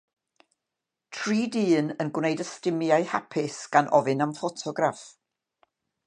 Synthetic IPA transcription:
tʰriːdɨːnənɡwnejdəstɪmjaɨha̰pʰɪsɡ̥anʔɔvɨnamfɔtʰɔɡraf

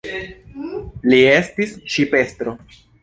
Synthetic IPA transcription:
lie̞stisʃipe̞stɾo̞

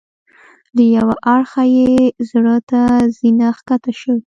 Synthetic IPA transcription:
ləjawaʔaɽxajezɽət̪azinaxkat̪aʃəw

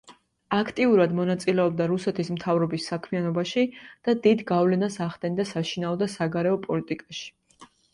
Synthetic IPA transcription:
akʰt̪ʼiuɾad̪mɔnat̪sʼilɛɔbd̪aɾusɛt̪ʰismt̪ʰavɾɔbisːakʰmianɔbaʃid̪̥ad̪id̪ɡavlɛnasaχd̪ɛnd̪asaʃinaɔd̪asaɡaɾɛɔpʼɔlit̪ʼikʼaʃi̥

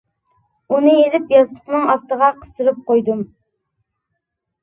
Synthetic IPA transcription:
unɨelɪpjɑzt̪ʰʊqnɨŋɑst̪əʁɑqʰə̥st̪ɨɾɨp̚qojd̪ɨm

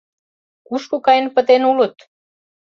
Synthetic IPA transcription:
kuʃkokɑjə̆npə̆t̪enulə̆t̪

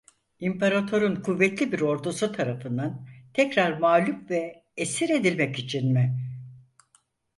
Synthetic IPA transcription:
impʰaɾat̪ʰo̞ɾunkʰuvːɛt̪lʲibiɾo̞ɾd̪usut̪ʰaɾafɯnd̪ant̪ʰɛcɾaɾmaːlʲupvɛː | siɾe̞d̪ilʲmɛcit͡ʃʰinmɪ

